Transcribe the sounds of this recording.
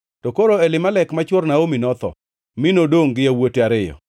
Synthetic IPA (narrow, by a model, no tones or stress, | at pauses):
tokoɾoɛlɪmalɛkmat͡ʃwornaominɔt̪ɔ̰ | mɪnodoŋɡɪjawoteaɾɪjɔ̰